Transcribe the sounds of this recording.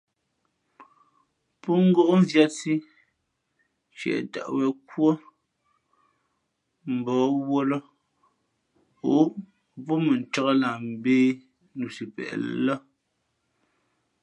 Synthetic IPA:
pɔ˦ŋ̩˦ɡo˦ʔn̩˦zja˦si˦ | t͡ʃɛ̰˨ʔta̰˨ʔwɛ˨kwo˦ | m̩˨bɔː˨˦wo˦lɔ˦ | o˨˦˨ | pɔ˦mə˨n̩˨tɔ˦ɣə˦la˨m̩˨beː˦ | nu˨si˨pɛ̰˨ʔl̰lə˦

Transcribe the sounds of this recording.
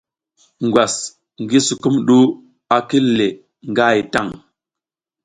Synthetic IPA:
ŋɡwa˨s | ŋɡi˦su˨ku˦mɗu˦ | a˨ki˦le˨ | ŋɡa˦i˨ta˦˨ŋ

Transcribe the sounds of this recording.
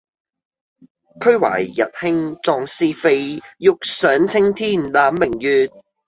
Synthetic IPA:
kʰɵ˥ɥwa̰ː˨˩jːɐ̰˨t̚hɪ˥ŋt͡sɔː˧ŋsiː˧fe˧jjʊ˨k̚sœː˨˥ŋt͡sʰɪ˥ŋt̪ʰiː˥˩nlaː˨˥mːɪ˨˩ŋjyː˨t̚

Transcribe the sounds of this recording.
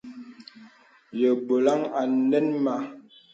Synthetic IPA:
jə˨bo˨la˦ŋa˨˦nɛ˦nma˨

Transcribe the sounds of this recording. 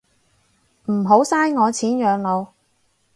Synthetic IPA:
m̩˨˩ɦo˨˥wsaː˥jŋɔː˨˧t͡sʰiː˨˥njœː˨˧ŋlo˨˧w

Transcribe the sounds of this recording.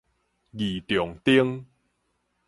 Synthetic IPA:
ɡi˨˩t̪jɔ˨˩ŋt̪i˦əŋ

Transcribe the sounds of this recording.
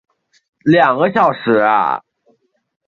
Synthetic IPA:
ljɑ˨˩ŋɡə˦ɕjɑ˨˩ʊʂɻ̩˨˥˦a̰˧˩

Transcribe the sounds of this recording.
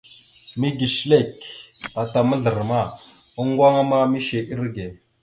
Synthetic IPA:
mi˦ɡi˨ʃle˦˨ka˨ta˨mə˦ɮə˨ɾma˦˨a˦ŋ˦ɡʷwʷa˦ŋa˦ma˦mi˦ʃe˨ʔi˦ɾɡe˨

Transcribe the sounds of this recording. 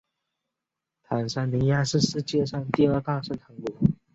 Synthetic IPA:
t̪ʰa˨˩nʂa˥˩nni˧˥nja˥ʂɻ̩˥˧ʂɻ̩˥˧t͡ɕjɛ˥˧ʂɑ˥˧ŋt̪i˥˧ə˞˥˧t̪a˥˧ʂə˥˩nt̪ʰa˧˥ŋkɔ˨˥˩

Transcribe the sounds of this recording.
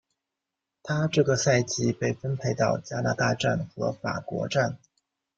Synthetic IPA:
t̪ʰa˥ʈ͡ʂɤ˥˩ɡə˩sa˥˧ɪt͡ɕi˥˩pe˥˩ɪfə˥npʰe˧˥ɪt̪ɑ˥˩ʊt͡ɕja˥na˥˧t̪a˥˧ʈ͡ʂa˥˩nxɤ̰˧˥fa̰˨˩kwɔ̰˧˥ʈ͡ʂa˥˩n

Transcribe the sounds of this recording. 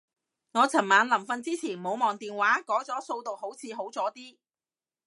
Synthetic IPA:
ŋɔː˨˧t͡sʰɐ˨˩nmaː˨˧nlɐ˨˩mfɐ˧nt͡siː˥t͡sʰiː˨˩nmo˨˧wmɔː˨ŋt̪iː˨nwaː˨˥kɔː˨˥t͡sɔː˨˥so˧wt̪o˨who˨˥wt͡sʰiː˨˧ɦo˨˥wt͡sɔː˨˥t̪iː˥

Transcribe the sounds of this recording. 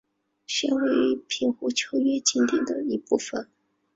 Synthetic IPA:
ɕɛ˥nwe˧˥ɪpʰi˥˩nxu˥t͡ɕʰjo˥ʊɥɛ˥t͡ɕi˥nt̪i˥˩d̪ə˩i˧˥pu˥˩fə˨˩n

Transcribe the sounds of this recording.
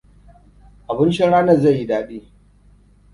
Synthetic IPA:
ʔa˨bɪ˦nt͡ʃɪ˦nɽaː˦nɐ˦˨za˦˨jːi˦daː˦ɗiː˦

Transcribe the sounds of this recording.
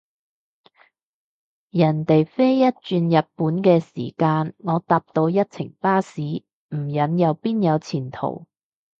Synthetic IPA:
jɐ˨˩nt̪e˨jfe˥jːɐ˥t̚t͡ʃyː˧njɐ˨t̚puː˨˥nkɛː˧sḭː˨˩kaː˧nŋɔː˨˧t̪aː˧p̚t̪o˧wjɐ˥t̚t͡sʰɪ̰˨˩ŋpaː˥siː˨˥ | m̩˨˩jɐ˨˥njɐ˨˧wpiː˥njɐ˨˧wt͡sʰiː˨˩nt̪ʰo̰˨˩w

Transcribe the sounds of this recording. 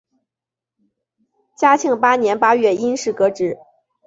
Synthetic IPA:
t͡ɕja˥t͡ɕʰi˥˩ŋpa˥njɛ˧˥npa˥ɥɛ˥˩i˥nʂɻ̩˥˩kɤ˧˥ʈ͡ʂɻ̩˧˥

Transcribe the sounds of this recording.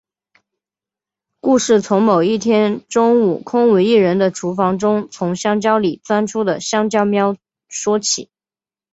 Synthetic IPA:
ku˥˧ʂɻ̩˥˩t͡sʰʊ˧˥ŋmo˨˩ʊi˥˩t̪ʰjɛ˥nʈ͡ʂʊ˥ŋu˨˩kʰʊ˥ŋwe˧˥ɪi˥˩ɻə˧˥nd̪ə˧ʈ͡ʂʰu˧˥fɑ˧˥ŋʈ͡ʂʊ˥ŋt͡sʰʊ˧˥ŋɕjɑ˥ŋt͡ɕjɑ˥ʊli˨˩t͡swa˥nʈ͡ʂʰu˥d̪ə˨ɕjɑ˥ŋt͡ɕjɑ˥ʊmjɑ˥ʊ | ʂwɔ˥t͡ɕʰḭ˨˩˦

